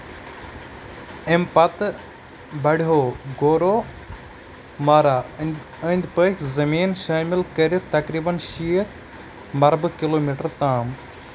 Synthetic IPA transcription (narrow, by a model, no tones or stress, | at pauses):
empɐt̪ | bɐɽiɦoːɡoːɾo | maːɾa | ənd̪pəːkʰʲzɐmiːnʃaːmɪlkəɾit̪ɐkɾiːbɐnʃiːət̪ʰ | mɐɾbkiloːmiːʈɐɾt̪aːm